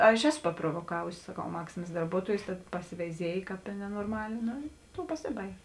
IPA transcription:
ˈɐʃ ˈæːˌsʊ pɐproːʋoːˈkɑːʋʊsʲɪ sɐˈkɐʊ ˈmɑːksʲɪmɐs dɐrˈbuɔtuɔjʊs tɐt pɐsʲɪʋʲɛɪˈzʲiɛj ˈkɑːp ɪ nʲɛnoːrˈmɑːlʲeː ˈnoː ɪ ˈtoːʊ pɐˈsʲɪbɐɪkʲ

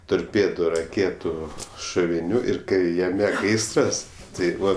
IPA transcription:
toːrʲˈpʲeːdʊ rɐˈkʲeːtʊ ʃʊʋʲɪˈnʲuː ɪr ˈkɐɪ jɛˈmʲɛ ˈɡɐɪsrɐs tɐɪ ˈbʊʋoː

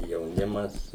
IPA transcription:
jɛʊˈnʲɪmɐs

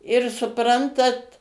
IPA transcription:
ɪr sʊˈprɐntɐt

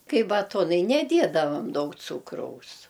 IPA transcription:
ˈkɐɪ bɐˈtoːnɐɪ nʲɛˈdʲiɛdɐʋɐm ˈdɐʊk ˈt͡suːkrɐʊs

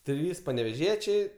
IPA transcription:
ˈtʲrʲiːs pɐnʲɛʋʲɛˈʒʲiɛt͡ʃʲɛɪ

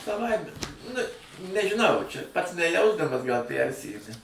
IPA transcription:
sɐˈʋɐɪmʲɛ nʊ nʲɛʒʲɪˈnɐʊ t͡ʃʲɛ pɐts nʲɛˈjɛʊzdɐmɐs ɡɐlˠ ˈpʲærʲsʲɪjʊdʲɪ

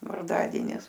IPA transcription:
ʋɐrˈdɑːdʲiɛnʲɪs

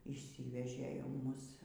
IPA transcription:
iːʃʲˈsʲiːʋʲɛʒʲeː jɛʊ ˈmʊs

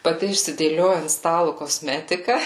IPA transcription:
pɐˈtʲɪ ɪʃʲsʲɪdʲeːˈlʲoːjɛ ɐnt ˈstɑːlˠʊ koːˈsʲmʲæːtʲɪkɐ

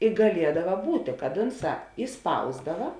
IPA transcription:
ɪ ɡɐˈlʲiɛdɐʋɐ ˈbuːtʲeː kɐt ˈʊnˌsɑː ɪˈspɐʊzdɐʋɐ

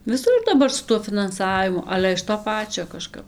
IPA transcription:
ʋʲɪˈsʊr dɐˈbɐr sʊ tuɔ fʲɪnɐnˈsɑːʋʲɪmʊ ˈɑːlʲɛ ɪʃ toː ˈpɑːt͡ʃʲoː kɐˈʃkɐp

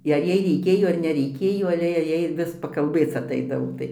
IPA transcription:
ɪ ɐr ˈjɛɪ rʲɛɪˈkʲeːjoː ɐr nʲɛˈrʲɛɪkʲeːjoː ɐˈlʲɛ jɛɪ ˈjɛɪ ˈʋʲɪs pɐkɐlʲˈbʲeːt͡s ɐˈtɐɪdɐʋoː ˈtɐɪ

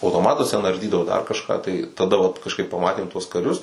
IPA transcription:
ɐʊtoːˈmɑːtʊs tʲɛn ɐrʲˈdʲiːdɐʋoː dɐr kɐʃˈkɑː tɐɪ tɐˈdɐ ʋɐt kɐʃˈkɐɪp pɐˈmɑːtʲeːm tuɔs kɐˈrʲʊs

